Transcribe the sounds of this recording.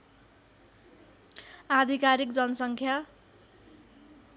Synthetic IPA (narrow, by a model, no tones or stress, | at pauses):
ad̪ʱikaɾik̚d͡zʌnʌsʌŋkʰja